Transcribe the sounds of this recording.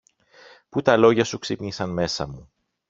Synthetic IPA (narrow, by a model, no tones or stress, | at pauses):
put̪ɐlo̞ʝɐsuksipɲisɐnme̞sɐ̰mu